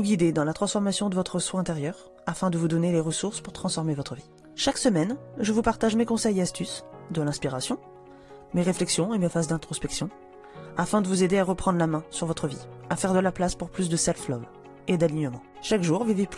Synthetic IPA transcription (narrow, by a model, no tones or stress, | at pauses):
uɡʲid̪ed̪ɑ̃lat̪χɑ̃sfɔʁmasjɔ̃d̪əvɔt̪χəswaɛ̃t̪eʁjœʁ | afɛ̃d̪əvud̪ɔneleʁəsuʁspuʁt̪χɑ̃sfɔʁmevɔt̪χəvi | ʃaksəmɛnʒəvupaʁt̪aʒmekɔ̃sɛjast̪ysd̪əlɛ̃spiʁasjɔ̃ | meʁeflɛksjɔ̃emefazd̪ɛ̃t̪χɔspɛksjɔ̃ | afɛ̃d̪əvuzed̪eaʁəpχɑ̃d̪ʁlamɛ̃syʁvɔt̪χəviafɛʁd̪əlaplaspuʁplys̬d̪əsɛlflɔv | ed̪aliɲəmɑ̃ | ʃakʒuʁvivep